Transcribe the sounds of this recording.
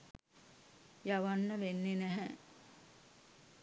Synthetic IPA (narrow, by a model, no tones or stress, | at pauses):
jaʋanːəʋenːenɛɦɛ